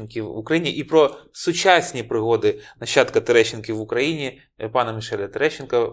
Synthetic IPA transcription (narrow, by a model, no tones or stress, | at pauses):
nkʲiʋʊkɾɐjinʲiʔipɾɔsʊt͡ʃasʲnʲipɾɪɦɔd̪ɪnɐɕːɑt̪kɐt̪eɾɛt͡ʃːɪnkʲiʋʊkɾɐjinʲi | pɑnɐmɪʃɛlʲɐt̪eɾɛʃːɪnkɐ